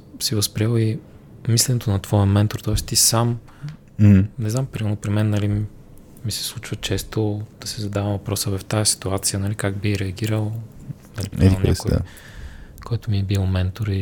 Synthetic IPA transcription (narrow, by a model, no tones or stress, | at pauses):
sivɐspɾialˠi | mislɛnɛt̪onɐt̪vɔjəmɛnt̪oɾt̪ɔɛst̪isam̩ | nɛznampɾiɛnopɾimɛnːɐli | misɛ̥slˠut͡ʃvət͡ʃɛst̪od̪̥ɐsɛzɐd̪avɐmvɐpɾɔsəvɐft̪ajɐsi̥t̪uat̪sijənɐlikaɡbixɾɛɐɡ̟ʲiɾəlˠ | nɐlipɛnɛ̰sko̰ | kɔjt̪omiɛbilˠmɛnt̪oɾi